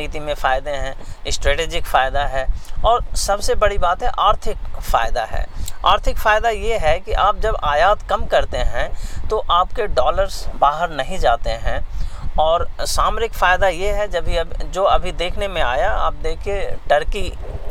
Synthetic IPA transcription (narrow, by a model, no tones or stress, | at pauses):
iːt̪imẽfaːɪd̪eɦɛ̃ːɪsʈɾeːʈeːd͡ʒɪkfaːɪd̪aɦɛːɔːɾsɐbsebɐɽibaːt̪ɦɛʔaːɾt̪ʰɪkfa̰ːɪd̪a̰ɦɛ̰ːa̰ːɾt̪ʰɪkfaːɪd̪ajeɦɛkiʔaːp̚d͡ʒɐbaːjaːt̪kɐmkɐɾt̪eɦɛ̃t̪oʔaːpkeɖɔːləɾzbaːɦəɾnɐɦĩd͡ʒaːt̪eɦɛ̃ɔːɾsaːmɾɪkfaːɪd̪ajeɦɛd͡ʒɐbʱiɐbd͡ʒoːɐbʱid̪eːkʰnemẽaːjaa̰ːp̚d̪eːkʰieʈɐɾki